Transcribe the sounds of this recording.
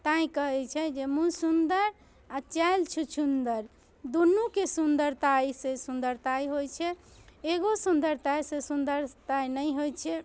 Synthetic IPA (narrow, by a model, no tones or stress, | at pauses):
t̪ãĩkəɦɛt͡ʃʰɛd͡ʒemũsund̪əɾ | at͡ʃalt͡ʃʰut͡ʃʰund̪əɾ | d̪unːukesund̪əɾt̪aisẽsund̪əɾt̪ajɦojt͡ʃʰɛeɡosund̪əɾt̪ajsẽsund̪əɾt̪ajnəjɦojt͡ʃʰɛ